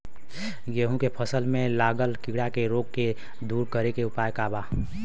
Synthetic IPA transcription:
ɡeɦũkepʰəsəlmẽlaːɡəlkiɽakeɾoɡ̚ke | d̪uːɾkəɾekeʊpaːjkaba

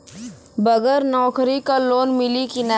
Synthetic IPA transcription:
bəɡəɾnɔːkɾikaloːnmɪlikina

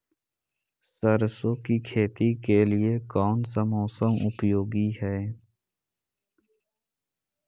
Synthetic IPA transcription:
səɾsõkikʰeːt̪ikelɪekɔːnsəmoːsəmʊ̰pjoːɡiɦɛː

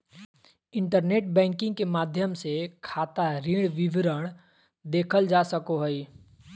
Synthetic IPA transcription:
ɪ̃ɳʈəɾneːʈbɛ̃ːŋkɪ̃ŋɡkemaːd̪ʱjəmsekʰaːt̪aɾiːɽ̃ʋɪʋɾəɽ̃ | d̪eːkʰəld͡ʒaːsəkoɦoi

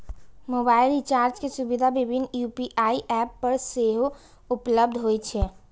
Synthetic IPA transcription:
moːbaːɪlɾit͡ʃaːɾd͡ʒkesubid̪ʱabɪbʱɪnjupiʔaːiʔɛpːəɾseɦo | ʊpləbd̪ʱɦojt͡ʃʰɛ

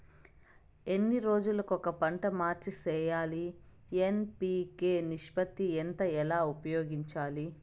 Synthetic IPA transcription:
enːiɾo̞ːd͡ʒulɐkɔkɐpɐɳʈɐmaːɾt͡ʃisɛːjaːli | enpiːkeːniʂpɐt̪ient̪ɐɛlaːupɐjoːɡiɲt͡ʃaːli

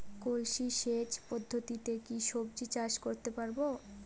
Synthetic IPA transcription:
kolʃiʃet͡ɕpɔd̪ʱːot̪it̪ekiʃob̚d͡ʑit͡ɕaʃkoɾt̪epaɾbo

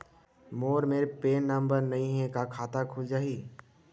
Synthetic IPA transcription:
moːɾmeːɾpeːnːəmbəɾnəĩɦɛ̃kakʰaːt̪akʰʊld͡ʒaːɦiː

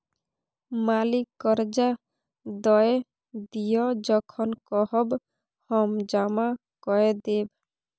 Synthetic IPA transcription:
malikːɔɾd͡ʒa | d̪ɔe | d̪ijɔd͡ʒɔkʰɔnkɔhɔb | hɔmd͡ʒama | kɔed̪eb

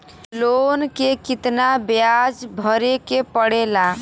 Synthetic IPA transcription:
lonkekit̪nabjad͡ʒbʱəɾekepəɽela

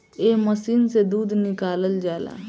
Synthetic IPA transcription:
eːməsiːnsed̪uːd̪nɪkaːləld͡ʒaːla̰ː

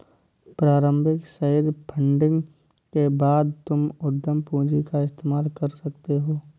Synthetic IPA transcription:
pɾaːɾə̃mbʱɪksəɦɪd̪pʰə̃ɳɖɪ̃ŋɡ | kebaːd̪̚t̪ʊmʊd̪ʱːəmpũːd͡ʒikaɪst̪eːmaːlkɐɾsɐk̚t̪eɦoː

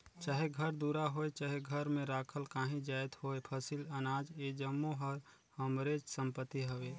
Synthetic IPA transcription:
t͡ʃaːɦeɡʱəɾd̪uɾaɦoːet͡ʃaːɦeɡʱəɾmẽɾaːkʰəlkaːɦĩd͡ʒaːjt̪hoːepʰəsilɐnaːd͡ʒed͡ʒəmːoɦəɾ | həmɾeːt͡ʃsə̃mpət̪ːiɦəʋeː

